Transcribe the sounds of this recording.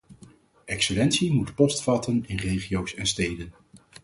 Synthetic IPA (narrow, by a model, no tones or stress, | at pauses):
ɛksəlɛntsimutpɔstfɑtənɪnrejχiowsɛnstejdən